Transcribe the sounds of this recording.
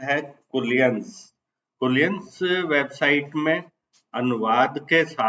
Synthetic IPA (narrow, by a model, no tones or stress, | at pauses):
ɦɛkʊlijəns | kʊljənsʋeːbsaːɪʈmẽ | ɐnʊʋaːd̪kesaː